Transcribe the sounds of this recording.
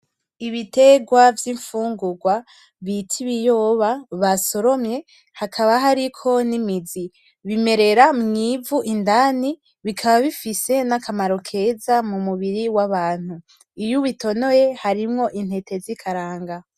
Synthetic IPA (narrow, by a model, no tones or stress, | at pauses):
iβite̞ɡwavjiɱfuːŋɡuɡwa | βitʰiβijoːβaβaso̞ɾo̞mɲe̞ | hakʰaβaɦaɾikʰo̞nimizi | βime̞ɾe̞ɾamŋiːvuʔindani | βikʰaβaβifise̞nakʰamaɾo̞kʰe̞zamumuβiɾiwaβaːn̥hu | ijuβito̞no̞je̞haɾimŋo̞ʔinhe̞tʰe̞zikʰaɾaːŋɡa